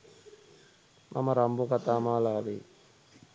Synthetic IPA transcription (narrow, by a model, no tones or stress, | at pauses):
mʔamɐɾambukat̪aːmaːlaːʋeː